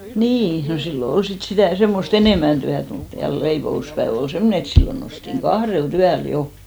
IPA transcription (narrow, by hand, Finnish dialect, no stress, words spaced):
niː no silːo ol sit sitæˑ semːost eneˑmæn tyæt mut jɑ leipouspæeʋ ol semːone et silːo nostiŋ ɡ̊ɑhrelt yæl jo